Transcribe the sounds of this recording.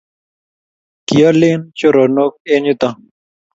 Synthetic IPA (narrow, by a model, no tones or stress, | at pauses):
kijalent͡ɕoɾonoːk̚eːnut̪a